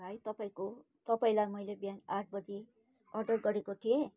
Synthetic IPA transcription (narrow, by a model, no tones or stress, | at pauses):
ajt̪ʌpaĩko | t̪ʌpaĩlamʌjlebjanaʈʰbʌd͡zi | ʌrɖʌrɡʌɾekok̪ʰe